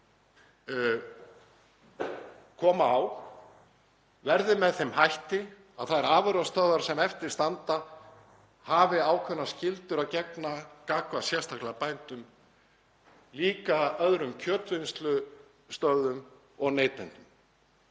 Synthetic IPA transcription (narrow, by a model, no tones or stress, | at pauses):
kʰɔːmaːw | vɛɾðɪmɛðθɛmhajht̪ɪ | a̰ðθaðɛɾaːvʏɾast̪œðaɾ̥sɛmɛft̪ɪɾ̥st̪ant̪a | havɪaːwkʰvɛnːascɪlt̪ʏɾaðcɛknakaːkvasjɛ̥st̪ʰahklaapajnt̪ʏm | liːkaœðɾʏmcʰœːt̪vɪnst̪lʏ | st̪œðʏm | ɔɣneːjt̪ɛnt̪ʏm